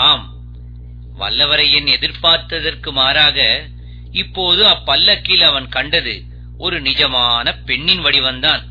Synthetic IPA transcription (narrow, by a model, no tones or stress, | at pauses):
aːm | ʋɐ̰lːɐʋɐɾɐjɛnɛðɪɾpaːɾt̪ːɐðɐrkɯmaːɾaːɣɐ | ɪpːoːðɯɐpːɐlːɐkːɪlɐʋɐnkɐɳɖɐðɯ | ɔɾɯnɪd͡ʒɐmaːnɐpɛɳːɪnʋɐɽiʋɐnd̪aːn